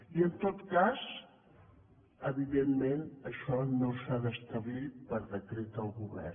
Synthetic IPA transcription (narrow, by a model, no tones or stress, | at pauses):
iənt̪ot̪kaz | əβiðemmenəʃɔnosaðəst̪əβlipəɾðəkɾet̪əlˠɣuβɛ̰r